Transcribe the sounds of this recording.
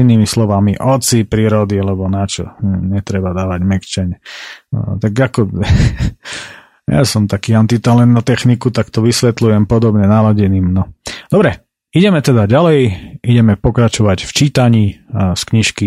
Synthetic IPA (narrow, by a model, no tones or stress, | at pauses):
inːiːmislɔʋamiʔɔt͡sipɾiːɾɔd̪ialɛbɔnat͡ʃɔ̰ɲɛt̪ɾɛbad̪aːʋaɟmɛkt͡ʃɛɲ | t̪aɡakɔ | ja̰sɔmt̪akiːant̪it̪alɛnt̪nat̪ɛxnikut̪akt̪ɔʋisʋɛt̪lujɛmpɔd̪ɔbɲɛnalaɟɛniːmnɔd̪̥ɔbɾɛ | iɟɛmɛt̪ɛd̪aɟalɛjiɟɛmɛpɔkɾat͡ʃɔʋacft͡ʃiːt̪aɲiːskɲiʃki